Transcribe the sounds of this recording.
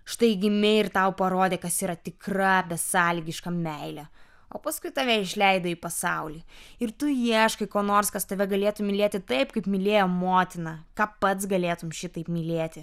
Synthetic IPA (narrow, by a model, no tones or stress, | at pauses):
ʃt̪ɐɪɡʲɪmʲɪɪrt̪ɐʊpɐɾoːd̪ʲeːkɐsiːɾɐt̪ʲɪkrɐbʲɛsɑːlʲiɡʲɪʃkɐmʲɛɪlʲɛ | oːpɐskʊɪt̪ɐʋʲɛɪʃʲlʲɛɪd̪oːiːpɐsɑʊlʲiːɪɾt̪ʊjiɛʃkɐɪkoːnoːɾskɐst̪ɐʋʲɛɡɐlʲeːt̪ʊmʲɪlʲeːt̪ʲɪt̪ɐɪpkɐɪpmʲɪlʲeːjoːmoːt̪ʲɪnɐkɑːpɐt̪sɡɐlʲeːt̪ʊmʃʲɪt̪ɐɪpmʲɪlʲeːt̪ʲɪ